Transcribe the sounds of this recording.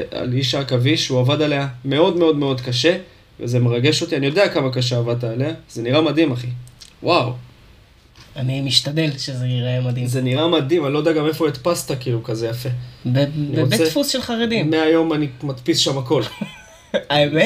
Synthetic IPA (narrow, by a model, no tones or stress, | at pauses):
a̰liʃakaviʃuavadale̞jame̞o̞d̪me̞o̞d̪me̞o̞d̪kaʃe̞ | veze̞meʁaɡe̞ʃo̞t̪ianijo̞d̪eakamakaʃeavad̪̚t̪aːleaz̥e̞niʁamad̪imaχiwʔaw | animiʃt̪ad̪elʃezeniʁemad̪ize̞niʁamad̪imanlo̞daɡamefo̞it̪past̪akiːlukaze̞jafe̞ | aniʁot͡seefusʃelχaʁed̪immeajo̞manimat̪pisʃamako̞l | ame